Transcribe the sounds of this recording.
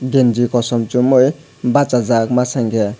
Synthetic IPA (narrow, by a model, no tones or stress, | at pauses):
ɡend͡ʒikɔsɔmt͡ʃumoj | bat͡sad͡zakmasaŋkʰe